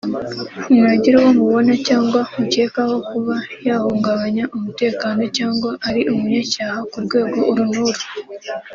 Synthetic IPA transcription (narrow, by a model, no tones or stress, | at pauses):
maɟiɾewomuβo̞nacaːŋɡwamuce̞ːkaho̞kuβajaːhuːŋɡaβaɲaʔumute̞ːkaːno̞caːŋɡwaʔaɾiʔumuɲacaːhakuɾɡwe̞ːɡo̞uɾunuɾu